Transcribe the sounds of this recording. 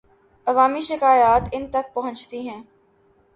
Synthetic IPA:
ɐʋaːmiʃɪkaːjaːt̪ɪnt̪ɐk̚pɐɦʊ̃t͡ʃt̪iɦɛ̃ː

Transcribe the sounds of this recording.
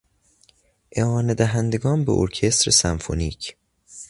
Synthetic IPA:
ʔeɒːned̪æɦænd̪eɡɒːnbḛʔo̰ɾcʰe̞st̪ɾesæmfo̰niːcʰ

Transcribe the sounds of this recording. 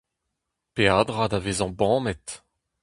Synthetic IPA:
pead̪ʁad̪aveːzɑ̃bɑ̃ːmɛt̪

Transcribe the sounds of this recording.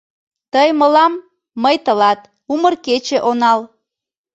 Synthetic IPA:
t̪əjməlɑmː | əjt̪əlɑt̪ | umərket͡ɕeʔonɑl

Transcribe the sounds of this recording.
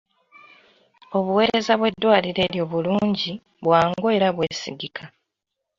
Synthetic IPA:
o̞βuwe̞ːɾe̞zaβwe̞dːwaːliɾe̞ːɾjo̞ːβuluːɲɟi | βwaːŋɡoeɾaβwe̞ːsḭɡikʰa

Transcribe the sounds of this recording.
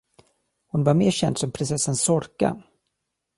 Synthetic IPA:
hʊnvaɾmeːɾɕɛnd̪sɔmpʰɾɪnsɛsːansɔɾka̰

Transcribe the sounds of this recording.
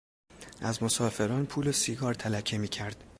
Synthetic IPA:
ʔæzmo̞sɒːfe̞ɾɒːnpʰuːlosiɡɒːɾt̪ʰælæcʰːemiːcʰæɾd̪̥

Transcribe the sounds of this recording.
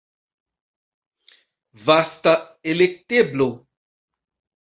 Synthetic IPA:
vast̪aelek̚t̪eblo

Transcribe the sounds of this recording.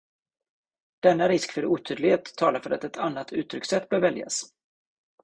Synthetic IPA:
d̪̥ɛnːaɾɪskfœɾuːt̪ʰyːd̪lɪheːt̪ʰːɑːlaɾfœɾat̪ɛt̪ʰanːat̪ʰʉ̟ːt̪ʰːɾʏksɛt̪ːbœːɾvɛlja̰s

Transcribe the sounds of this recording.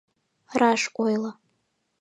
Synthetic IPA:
raʂkʷʼojla

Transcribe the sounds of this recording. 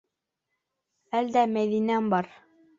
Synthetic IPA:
æld̪æmæðinæmbɑɾ

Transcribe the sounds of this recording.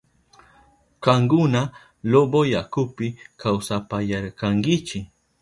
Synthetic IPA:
kaŋɡʊna | lobojakʊpɪkawsapajaɾkaŋɡɪt͡ʃɪ

